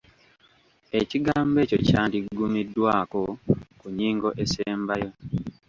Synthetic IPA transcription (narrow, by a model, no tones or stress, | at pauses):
e̞ciɡaːmbe̞ːco̞̰caːndiɡumidːwaːko̞kuɲiːŋɡo̞ʔe̞seːmbajo̞